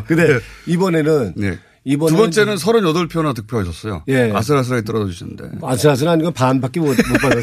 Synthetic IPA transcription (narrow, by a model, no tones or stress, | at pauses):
kɯnde̞ibʌne̞nɯnjḛ | ibʌnɯeɡʌnt͡ɕ͈e̞nɯns̬ʰʌɾɯnjʌdʌɭpʰjonatɯk̚pʰjoaɕʰʌs͈ʌjo̰je̞a̰sʰɯɾas̬ʰɯɾaɡet͈ʌɾʌd͡ʑʌd͡ʑuɕʰinɯnde̞̰asʰɯɾas̬ʰɯɾaniɡʌpanbak͈imʌmop͈aʌ